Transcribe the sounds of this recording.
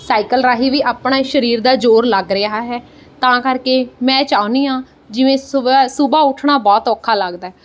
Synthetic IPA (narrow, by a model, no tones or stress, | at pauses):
saːikəlɾaːɦiːʋiːʔaːpɳaːʃəɾiːɾd̪aːd͡ʒoːɾləɡɾɪaːɦɛː | t̪ãːkəɾkeːmɛ̃ːt͡ʃaːʊniːãː | d͡ʒɪʋẽːsʊbaːʊʈʰɳaːbɔːt̪ɔːkʰːaːləɡd̪aːɦɛː